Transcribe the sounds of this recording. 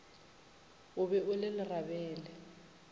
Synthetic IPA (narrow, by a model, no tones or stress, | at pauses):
ʊbɛʔʊlɪlɪrabɛːlɛ